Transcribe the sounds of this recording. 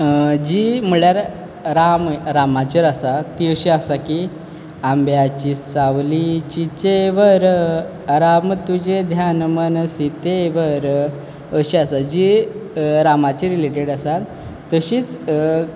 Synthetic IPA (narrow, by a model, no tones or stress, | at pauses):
d͡ʑimuɭjaɾ | ɾamɾamat͡ɕəɾasat̪ːiəɕiasaki | ambjat͡ɕisaʋlit͡ɕit͡seʋəɾ | ɾamət̪ud͡ʑed̪ʱjanmənsit̪eʋəɾ | əɕiasad͡ʑi | ɾamat͡ɕiɾileʈeɽasat̪ː | əɕiːt͡s